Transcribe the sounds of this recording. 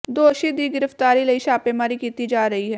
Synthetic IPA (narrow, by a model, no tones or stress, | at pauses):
d̪oːʃiːd̪iːɡɪɾəft̪aːɾiːləiːʃaːpeːmaːɾiːkiːt̪iːd͡ʒaːɾəɦiːɦɛː